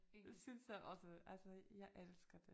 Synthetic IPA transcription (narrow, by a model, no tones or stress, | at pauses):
esynsjaɪʔɒ̽səʔælsɒjɑ̈ɪʔelsɡ̥ɐd̥e